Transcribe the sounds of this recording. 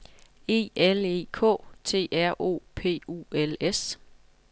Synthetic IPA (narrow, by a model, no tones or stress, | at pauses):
e̝̰ːele̝̰ːkʰɔ̰̽ːt͡sʰe̝̰ːæɐ̰ʔo̝̰ːpʰe̝̰ːṵːeles